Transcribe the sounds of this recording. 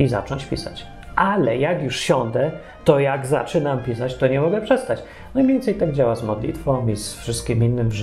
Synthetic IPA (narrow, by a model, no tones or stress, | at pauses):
iza̰t͡ʂɔɲt͡ɕpʲḭsa̰t͡ɕ | ʔalɛjakjuʂɕɔnd̪ɛ | t̪ɔjaɡza̰t͡ʂɘnampʲisat͡ɕt̪ɔɲɛmɔɡɛpʂɛst̪at͡ɕ | najvʲɛnt̪sɛjt̪aɡd͡ʑawazmɔd̪lʲḭt̪fɔ̃misfʂɘst̪̚kʲiminːɘmʐ